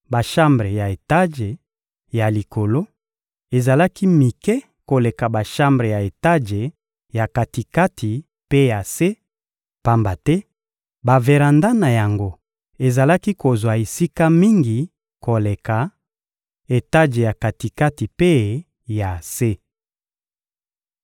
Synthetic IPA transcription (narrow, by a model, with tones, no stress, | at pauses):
ba˨ʃa˦mbʁe˨ja˨e˨ta˦ʒe˨ | ja˨li˨ko˨lo˦ | e˨za˨la˦ki˦mi˨kɛ˦ | ko˨le˨ka˨ba˨ʃa˦mbʁe˨ja˨e˨ta˦ʒe˨ | ja˨ka˨ti˨ka˦tʰi˨ | pe˦ja˨se˦ | pa˦mba˨tɛ˦ | ba˨ve˨ʁa˨nda˦na˨ja˨ŋɡo˦ | e˨za˨la˦ki˦ko˨zwa˨e˨si˦ka˦mi˦ŋɡi˨ | ko˨le˨ka˨ | e˨ta˦ʒe˨ja˨ka˨ti˨ka˦ti˨pe˦ | ja˨se˦